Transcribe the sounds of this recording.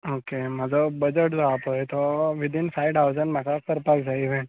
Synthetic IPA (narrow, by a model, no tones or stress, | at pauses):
okemad͡ʒobəd͡ʒəʈd͡ʒoapɦojt̪oʋid̪infajʈawzənmakakəɾpakd͡ʒaiʋɛ̃ɳ